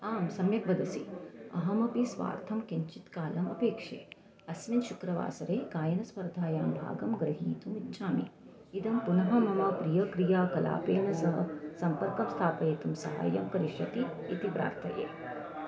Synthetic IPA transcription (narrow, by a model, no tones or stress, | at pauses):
aːmsɐmjɐkʋɐd̪ɐsḭɐ̰ɦɐmɐpisʋa̰ːɾt̪ʰɐmkiɲt͡ʃit̪kaːlɐmɐpeːkʂḛː | ɐsminʃukɾɐʋa̰ːsɐɾeːkaːjɐnɐspɐɾd̪ʱaːjaːmbʱa̰ːɡɐmɡɾɐɦiːt̪umitːʃʰaːmḭ | id̪ɐmpunɐɦɐmɐmɐpɾijɐkɾijaːkɐla̰ːpeːnɐsɐɦɐsɐmpɐɾkɐmst̪ʰaːpɐjet̪umsɐ̰ɦa̰ːjɐ̰mkɐɾiʃʋɐt̪iː | t̪ipɾa̰ːɾt̪ʰɐjḛː